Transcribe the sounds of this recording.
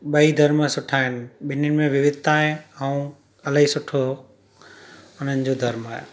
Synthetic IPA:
ɓɐid̪ʱɐɾməsʊʈʰaːɦɪnɪ̆ɓɪnʊnɪ̆mẽʋɪʋɪd̪t̪aːɦeaũ | ɐlaːɦisʊʈʰo | ʊn̤ənɪ̆d͡ʑod̪ʱɐɾmaːɦje

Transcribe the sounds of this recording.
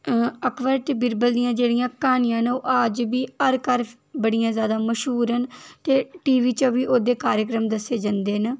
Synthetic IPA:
əkʰʋəɾt̪ebɪɾbəld̪ijãːd͡ʒeːɽijãːkaːnɪjãːnoːʔad͡ʒbiːəɾkəɾ | bəɽijãːzjaːd̪aːməʃɦuːɾɦənt̪eːʈiːʋiːt͡ʃəʋiːʔoːd̪eːkaːɾjək̬ɾəmd̪əsːeːd͡ʒãːnd̪eːn

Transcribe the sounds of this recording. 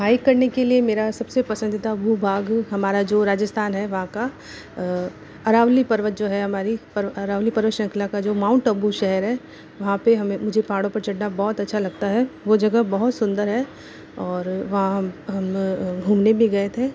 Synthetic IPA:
ɦaːikːɐɾnekeliemeːɾasɐbsepɐsə̃nd̪ɪt̪aɐbʱubʱaːɡɦɐmaːɾad͡ʒoːɾaːd͡ʒəst̪ʰaːnɦɛʋɐɦãka | ɐɾaːʋlipɐɾʋət̪̚d͡ʒoːɦɛɦɐmaːɾipɐɾɐɾaːʋlipɐɾʋət̪ʃɐ̃ŋkʰlakad͡ʒoːmãːʊ̃ɳʈɐbuʃɛɦəɾɦɛ | ʋɐɦãpeɦɐmẽmʊd͡ʒʱepaːɽõpɐɾt͡ʃɐɽnabɔːɔt̪ɐtːʃʰalɐɡ̚t̪aɦɛʋod͡ʒɐɡəbɐɦʊt̪sʊ̃nd̪əɾɦɛ | ɔːɾʋɐɦãɦmɦɐmɡʱuːmnebʱiɡɐet̪ʰẽː

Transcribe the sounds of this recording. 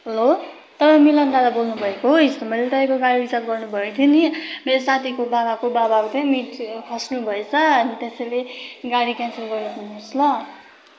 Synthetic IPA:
ɦʌlo | t̪ʌpãj̃milʌnd̪ad̪abolnubʱʌekoɦoist̪emʌjlet̪ʌj̃koɡaɽibisaɾ̚ɡʌrnubʱʌet̪ʰinimeɾosat̪ʰikobabakobabakot͡sʌj̃miʈkʰʌsnubʱʌet͡sʰʌʌnit̪esʌjleɡaɽikjãnselɡʌɾt̪ʰinoslʌ

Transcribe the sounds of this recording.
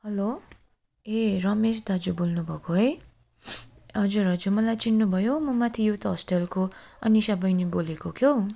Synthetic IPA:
ɦʌlo | erʌmesd̪ad͡zubolnubʱʌkoɦʌj | ɦʌd͡zuɾɦʌd͡zumʌlajt͡sinːubʱʌjomʌmat̪ʰijot̪ʌɦʌsʈelkoʌnisʌbʌjnibolekokʰjo

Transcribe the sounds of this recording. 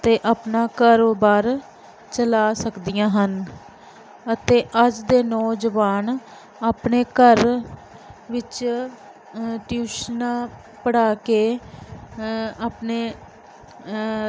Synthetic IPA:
ət̪eːʔaːpnaːkaːɾoːbaːɾ | t͡ʃəlaːsəkd̪ijãːɦən | ət̪eːʔəd͡ʒd̪eːnɔːd͡ʒəʋaːn | aːpneːkəɾ | ʋɪt͡ʃ | ʈjuːʃnãː | pəɽaːkeː | aːpneː

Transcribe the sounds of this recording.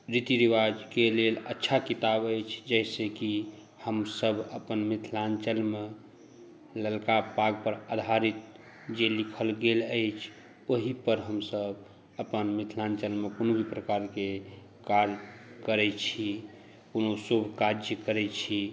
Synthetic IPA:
ɾit̪iɾiʋad͡ʒkelelətːʃʰakit̪abəjt͡ʃʰd͡ʒəjseki | həmsəbʱəpənmit̪ʰlant͡ʃəlme | ləlkapaɡ̚pəɾad̪ʱaɾit̪̚ | d͡ʒelikʰəlɡeləjt͡ʃʰ | oɦipəɾɦəmsəb | əpənmit̪ʰlant͡ʃəlmekonobʱipɾəkaɾke | kaɾkəɾɛt͡ʃʰi | konosobʱkad͡ʒəkəɾɛt͡ʃʰi

